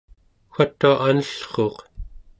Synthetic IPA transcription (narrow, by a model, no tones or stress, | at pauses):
xʷat̪ːuaʔanəɬχo̞ːq